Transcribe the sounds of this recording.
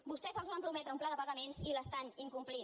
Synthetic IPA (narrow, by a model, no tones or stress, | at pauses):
bust̪ɛzəlˠzβampɾumɛt̪ɾəumplaðəpəɣəmenziləst̪aniŋkumpli